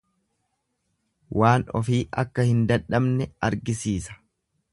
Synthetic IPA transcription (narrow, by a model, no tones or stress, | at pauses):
wʔaːnɔ̰fiːʔɐ̰kːɐhɪnd̪ɐᶑɐbnɛɐɾɡɪsiːsɐ̥